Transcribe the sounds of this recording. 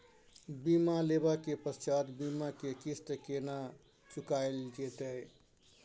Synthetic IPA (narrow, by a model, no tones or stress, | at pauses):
bimalebakepəst͡ʃad̪bimakekisʈ̪əkena | t͡ʃukaɪld͡ʒet̪əj